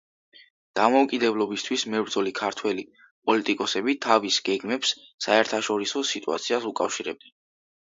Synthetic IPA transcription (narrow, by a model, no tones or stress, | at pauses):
d̪̥amɔukʼid̪ɛblˠɔbist̪ʰwismɛvɾd̪zɔlikʰaɾt̪ʰwɛli | pʼɔlit̪ʼikʼɔsɛbit̪ʰavisɡɛɡmɛpsːaɛɾt̪ʰaʃɔɾisɔsit̪ʼṵa̰t̪sʰiasukʼafʃiɾɛb̚d̪ɛ